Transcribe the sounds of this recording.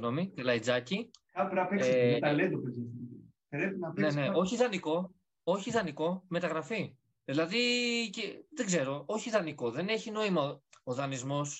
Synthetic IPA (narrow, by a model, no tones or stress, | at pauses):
no̞mikɐlɐid͡zɐci | ɐpɾɐpekst̪led̪opezes | ɾepinɐpneneo̞çiðɐniko̞ | oçiðɐniko̞me̞t̪ɐɣɾɐfi | ðilɐðiceðe̞ɡze̞ɾo̞o̞çiðɐniko̞ðene̞çino̞imɐo̞ðɐnizmo̞s